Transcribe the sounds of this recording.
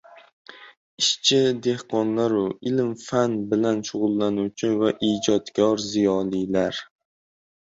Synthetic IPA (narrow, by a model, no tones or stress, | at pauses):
ɪʃt͡ʃʰɪd̪e̞hqʰɒnlaɾʊɪlmfanbɪlanʃʊʁʊlˠːanuwt͡ʃʰɪvaʔid͡ʒɒt̪kʲʰɒɾzijɒlijlaɾ